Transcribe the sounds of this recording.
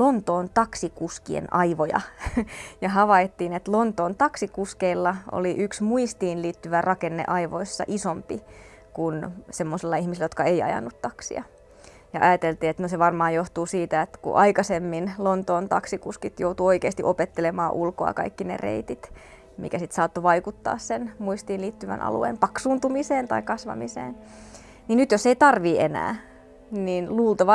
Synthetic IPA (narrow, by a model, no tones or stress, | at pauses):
lont̪oːnt̪ɑksikuskiḛnɑiʋojɑ̰ | jɑɦɑʋɑit̪ːiːnet̪lont̪oːnt̪ɑksikuskeilːɑo̰liʔyksmuist̪iːnliːt̪ːyʋærʔɑkenːḛʔɑiʋoisːɑ̰ʔisompi | kunsemːosilːɑihmisilːæjot̪kɑeiɑ̰jɑ̰nːut̪t̪ɑksḭɑ | jɑ̰ʔɑjɑt̪elt̪iːet̪noseʋɑrmɑːjoht̪uːsiːt̪æet̪kṵʔɑikɑsemːinlont̪oːnt̪ɑksikuskit̪jout̪uoikeːst̪iʔopet̪ːelemɑːʔulkoɑ̰kɑ̰ikːinḛrḛit̪it̪ | mḭkæsit̪sɑːt̪ːoʋɑikut̪ːɑ̰ːssenmuist̪iːnliːt̪ːyʋæ̰nʔɑ̰lṵḛːmpɑksuːnt̪umiseːnt̪ɑikɑsʋɑ̰misḛːn | ninyt̪joseit̪ɑrʋiːenæ̰ː | niːnluːlt̪ɑʋɑ